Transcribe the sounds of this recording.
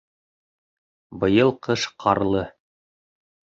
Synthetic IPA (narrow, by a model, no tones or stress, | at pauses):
bɤ̆jɤlˠqɤʃqʰɑɾlˠɤ